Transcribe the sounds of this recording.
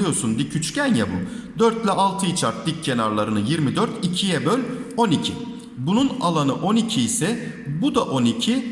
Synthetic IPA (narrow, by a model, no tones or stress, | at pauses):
ɯjo̞ɾsunb̪icʰyt͡ʃcænjabud̪øɾt̪lʲɛʔalˠt̪ʰɯit͡ʃʰaɾt̪̚d̪ic̚cʰːe̞naɾlˠaɾɯnɯjiɾmid̪øɾt̪ʰicʰijɛbølʲo̞nicʰi | bununalˠanɯʔo̞nicʰiːsɛ | bud̪aʔo̞nicʰi